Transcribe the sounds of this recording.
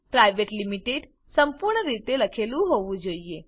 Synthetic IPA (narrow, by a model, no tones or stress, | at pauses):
pɾajʋeʈlimiʈeɖ | səmpuɾɳəɾit̪eləkʰelũɦoʋũd͡ʒoie